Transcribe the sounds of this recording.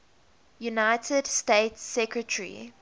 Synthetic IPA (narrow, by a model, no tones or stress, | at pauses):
junaɪtʰədsteɪtsːɛkɹətʰəɹḭ